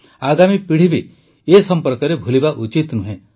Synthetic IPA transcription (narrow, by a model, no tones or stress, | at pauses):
aɡamipiɽ̤ibi | esɔmpɔɾkɔɾebʱulibaʔut͡ʃit̪nuɦẽ